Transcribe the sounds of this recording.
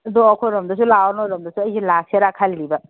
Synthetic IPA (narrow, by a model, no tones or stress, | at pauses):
doɔkʰɔɾɔmdɐs̬ulawnɔɾɔmdɐsuɐjzilaseɾakʰaliɾibɐ